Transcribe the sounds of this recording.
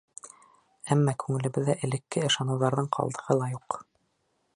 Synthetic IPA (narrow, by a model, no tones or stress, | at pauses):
æmːɑkʉŋɘ̆lɘ̆βɘ̆ðːæʔɘ̆lɘ̆kːɘɤ̆ʃɑnɤ̆wðɑɾðɤɴqʰɑ̰lˠd̪ɤ̆ʁɤlˠɑjuq